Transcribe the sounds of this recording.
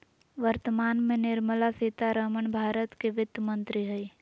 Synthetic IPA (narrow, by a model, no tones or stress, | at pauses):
ʋəɾt̪əmaːnmẽnɪɾməlaseːt̪aɾəməɳbʱaːɾət̪keʋɪd̪əmə̃nt̪ɾiɦəi